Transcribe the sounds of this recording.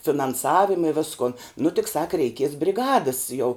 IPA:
fʲɪnɐnˈsɑːʋʲɪmɐ ɪ ˈʋʲɪskʊn nʊ tʲɪk sɐk rʲɛɪˈkʲiɛs bʲrʲɪˈɡɑːdəs jɛʊ

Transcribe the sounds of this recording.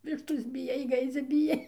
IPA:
ˈʋʲɪʃtoːs bʲɪˈjɛɪ ˈɡɐɪd͡zʲɛ bʲɪˈjɛɪ

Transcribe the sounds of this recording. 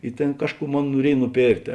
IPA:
ɪ ˈtʲeːn ˈkɑːʃˌkuː ˈmoːn nuɔˈrʲiɛj nʊˈpʲeːrktʲeː

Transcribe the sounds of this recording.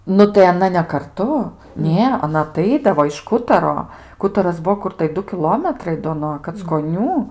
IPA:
ˈnʊ tɐɪ ɐˈnɐ nʲɛ kɐrˈtʊ ˈnʲeː ɐˈnɐ ɐˈtɐɪdɐʋoː ɪʃ ˈkʊtɐroː ˈkʊtɐrɐs ˈbuɔ ˈkʊr tɐɪ ˈdʊ kʲɪˈlˠoːmʲɛtrɐɪ doː nuɔ kɐt͡skoːˈnʲuː

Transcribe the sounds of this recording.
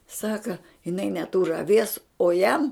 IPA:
ˈsɑːkɐ jɪˈnɐɪ nʲɛˈtuːr ɐˈʋʲiɛs oː ˈjɛm

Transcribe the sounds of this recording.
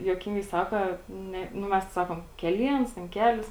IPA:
juɔˈkʲɪŋɡɐɪ ˈsɑːkɐ ˈnʲɛ nʊ ˈmʲɛs tɐɪ ˈsɑːkoːm kʲɛˈlʲiɛns tʲɛn ˈkʲæːlʲɪs

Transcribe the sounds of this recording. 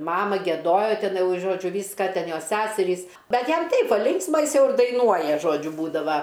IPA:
ˈmɑːmɐ ɡʲiɛˈdoːjoː ˈtʲɛn ˈjɛʊ ˈʒoːd͡ʒʲʊ ˈʋʲiːskɐ ˈtʲɛn ˈjoːs ˈsʲæsʲɛrʲiːs ˈbʲɛt ˈjɛm ˈtɐɪp ˈbʊɐ ˈlʲɪŋksmɐ ˈjɪs ˈjɛʊ ɪr dɐɪˈnuɔjɛ ˈʒoːd͡ʒʲʊ ˈbuːdɐʋɐ

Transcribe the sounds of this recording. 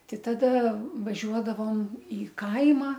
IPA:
ˈtɐɪ tɐˈdɐ ʋɐˈʒʲuɔdɐʋoːm iː ˈkɐɪmɑː

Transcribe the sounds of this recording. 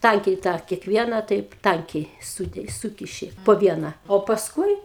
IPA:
ˈtɐŋʲkʲɛɪ tɑː kʲɛkˈʋʲiɛnɑː tɐɪp ˈtɐŋʲkʲɛɪ ˈsuːkʲɪ ˈsuːkʲɪʃʲɪ poː ˈʋʲiɛnɐ oː pɐsˈkʊɪ

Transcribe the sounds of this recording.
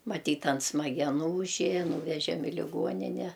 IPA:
mɐˈtʲiːt ɐn smɐɡʲɛˈnuː ʊʒʲˈeːjɛ ˈnuːʋʲɛʒʲɛm ɪ lʲɪˈɡuɔnʲɪnʲɛ

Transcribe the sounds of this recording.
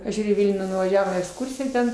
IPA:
ɐʃ ˈʒʲuːrʲʊ iː ˈʋʲɪlʲnʲuː nʊʋɐˈʒʲæːʋoːm iː ɛksˈkʊrʲsʲɪjæː tʲɛn

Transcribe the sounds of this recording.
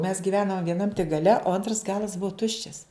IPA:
mʲɛs ɡʲɪˈʋʲæːnɐm ʋʲiɛˈnɐm tʲɪk ɡɐˈlʲɛ oː ˈɐntrɐs ˈɡɑːlˠɐs ˈbuɔ ˈtʊʃʲt͡ʃʲɛs

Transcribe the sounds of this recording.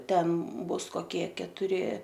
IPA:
ˈtʲɛn ˈbʊs koːˈkʲiɛ kʲɛtʊˈrʲɪ

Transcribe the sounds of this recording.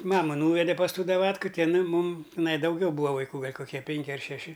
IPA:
ˈmɑːmɐ ˈnuːʋʲɛdʲɛ pɐs ˈtuː dɐˈʋɑːtkʊ ˈtʲɪ ɪˈnɐɪ ˈmʊm tʲɪˈnɐɪ dɐʊˈɡʲɛʊ ˈbuːɐ ʋɐɪˈkuː ˈɡɐlʲ koːˈkʲiɛ ˈpʲɛŋʲkʲɪ ɐr ʃʲɛˈʃʲɪ

